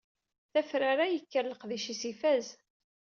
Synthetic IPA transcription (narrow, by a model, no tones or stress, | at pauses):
θæfɾaɾajəkːəɾləqðiʃisifæz